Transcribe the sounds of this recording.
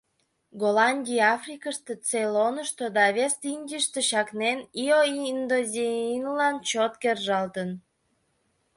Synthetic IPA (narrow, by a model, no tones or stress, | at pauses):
ɡolɑnʲdʲijɑfrʲikəʃt̪ət͡selonəʃt̪od̪ɑβʲest̪inʲɡʲiʃt̪əɕɑknenioiind̪ozʲeinlɑnt͡ɕot̪kerʒɑlt̪ən